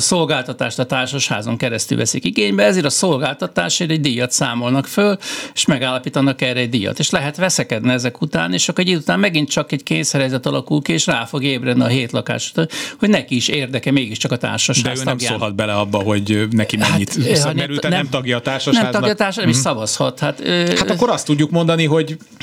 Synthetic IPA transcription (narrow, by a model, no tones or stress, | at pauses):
solɡaːlt̪ɒt̪a̰ːʃt̪ɒt̪aːrʃoʃha̰ːzoŋkɛɾɛst̪y̰lʋɛsikiɡeːɲbɛɛzeːɾɒso̞lɡaːlt̪ɒt̪a̰ːʃeːɾɛɟd̪ijɒt̪saːmo̞lnɒkføle̥ʃmɛɡaːlːɒpiːt̪ɒnːɒkɛrɛːɟ̚d̪ijɒ̰t̪eːʃlɛɦɛt̪ʋɛsɛkɛd̪niɛzɛkut̪aːneːʃɒkoɾɛɟit̪ut̪aːmmɛɡint̪t͡ʃɒkɛckeːnsɛɾɛzɛt̪ɒlɒkulkieːʃraːfo̞ɡeːbrɛd̪niɒɦeːt̪lɒka̰ːʃu̥t̪oho̞ɟnɛkiːʃeːrd̪ɛkɛmeːɡiʃt͡ʃɒkɒt̪a̰ːrʃɒʃaɛːøːmɡjsaoːlɦɒd̪̚bɛlɛɒbːɒɦo̞ɟnɛkimɛaɲːit̪øɛɾylɛnnɛmɒɡjɒt̪aːrʃɔnɛmɒɡjɒt̪aːrʃnɛɛmiʃsɒvɒshɒt̪hat̪øhat̪ɒkːoɾɒst̪ːuɟːukmo̞nd̪ɒniɦo̞ɟ